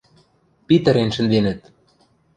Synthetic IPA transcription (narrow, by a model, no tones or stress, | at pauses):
pit̪ə̆ɾenʃɘ̆nd̪enɘ̆t̪̚